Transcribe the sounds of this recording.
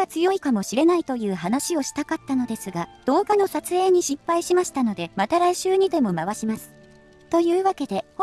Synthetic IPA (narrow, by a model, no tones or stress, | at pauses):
at͡sɨjo̞ikamo̞ɕiɾe̞nait̪o̞jɯ̟ːɦanaɕio̞ɕi̥t̪akat̪ːano̞d̪e̞sɨɡad̪̥o̞ːɡano̞sat͡sɨe̞ːɲ̟iɕipːaiɕimaɕi̥t̪ano̞d̪e̞mat̪aɾaiɕɨːɲ̟id̪e̞mo̞maβaɕimasɨ̥ | t̪o̞jɯ̟ːβake̞d̪e̞